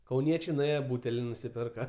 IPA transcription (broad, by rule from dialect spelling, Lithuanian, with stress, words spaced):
kɐʊˈnʲiɛt͡ʃʲɛɪ nʊˈeːjɛ ˈbuːtʲɛlʲɪ nʊsʲɪˈpʲɪrkɐ